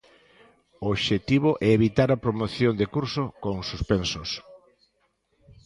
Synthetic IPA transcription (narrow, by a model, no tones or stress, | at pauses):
ooβʃet̪iβ̞oʔɛeβit̪aɾɐpɾomoθjond̪ekuɾsokoŋsuspensos